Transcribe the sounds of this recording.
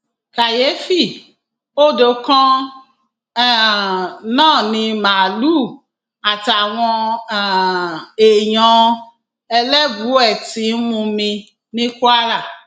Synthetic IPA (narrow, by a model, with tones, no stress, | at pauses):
ka˨je˨˦fi˦˨ | o˦˨do˧˦kɔ̃˦˨ | nãː˦˨nĩ˧ma˨lu˦˨ | a˨ta˨w̃ɔ̃˧˨ | e˨j̃ɔ̃˧ | ɛ˧lɛ˦bu˨˦ɛ˦˨ti˨˦mũ˧mĩ˧ | nĩ˦ku˦a˦ɾa˦˨